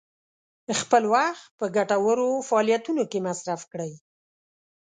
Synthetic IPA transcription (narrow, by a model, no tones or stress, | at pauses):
xpəlwaxt̪̚pəɡaʈawəɾofaɑlijat̪unokemasɾafkɽəj